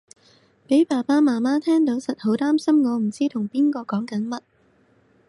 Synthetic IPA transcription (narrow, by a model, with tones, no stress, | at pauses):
pe˨˥jpaː˨˩paː˥maː˨˩maː˥t̪ʰɛː˥ŋt̪o˨˥wsɐ˨t̚ho˨˥wt̪aː˥msɐ˥mŋɔː˨˧m̩˨˩t͡siː˥t̪ʰʊ˨˩ŋpiː˥nkɔː˧kɔː˨˥ŋkɐ˨˥nmɐ˥t̚